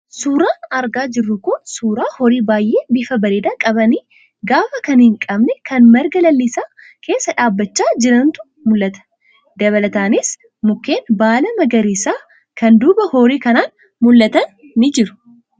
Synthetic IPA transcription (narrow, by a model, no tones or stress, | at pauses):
suːɾaːnɐɾɡaːd͡ʒɪrːʊkʊnsuːɾaːhɔɾiːbaːjʔeːbɪfɐbɐɾeːd̪aːkʼɐbɐniː | ɡaːfɐkɐnhɪŋkʼɐbnɛkʰɐnmɐɾɡɐlɐlːisaː | kʰe̞ːsːɐᶑaːbːɐt͡ʃːaːd͡ʒɪɾɐnt̪ʊ̥ | mʊlːɐt̪ɐ̥ | d̪ɐβɐlɐt̪aːnɪs | mʊkːe̞ːnbaːlɐmɐɡɐɾiːsaː | kɐnd̪uːbɐhoːɾiːkɐnaːn | mʊlːɐt̪ɐnː | ɪd͡ʒɪɾʊ̥